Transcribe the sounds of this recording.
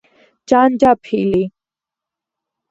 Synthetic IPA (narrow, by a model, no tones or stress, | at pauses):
t͡ʃand͡ʒapʰili